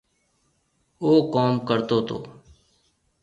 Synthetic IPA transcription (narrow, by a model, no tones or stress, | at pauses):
oːkoːmkəɾt̪oːt̪o̰ː